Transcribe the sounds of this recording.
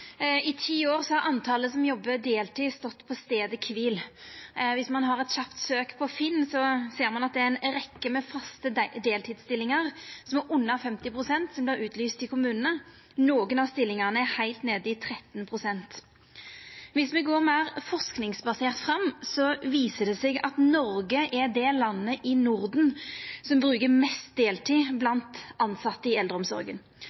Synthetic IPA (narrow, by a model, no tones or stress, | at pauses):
ɪt̪ʰiːoːʁsɔhɑɾɑnt̪ʰɑːləsɔmjɔbːəd̪eːlt̪iːst̪ɔt̪ːpʰɔst̪eːd̪əkʰʋiːl | ʋɪsmɑnɦɑʁɛt̪ɕɑpt̪søːkpʰɔfɪnːsɔseːʁmɑnɑt̪̚d̪ɛæɪnɾɛkːəmɛfɑst̪əd̪eːlt̪ʰiːd̪st̪ɪlːɪŋəʁsɔmæɾʔʊnːɑfɛmt̪ɪpʰʁʊsɛnt̪sɔmblɪːʁʉːt̪lyːst̪ɪkʰʊmʉːnənə | noːɡənɑst̪ɪlːɪŋɑʁnəæhæɪlt̪neːd̪əɪt̪ʰɾɛt̪ːnpʰʁʊsɛnt̪ | ʋɪsmɛɡoːʁmɛæɾfɔʁsknɪŋsbɑseːʁt̪fʁɑmːsɔʋiːsəd̪ɛsɛɡɑ̰t̪nɔɾɡəʔɛd̪ɛlɑnːəʔɪnʊɾd̪n̩sɔmbɾʉːkəmɛst̪̚d̪eːlt̪ʰiːblɑnt̪ɑnsɑt̪ːəɪɛld̪ɾəɔmsɔ̰ɾɡə̰n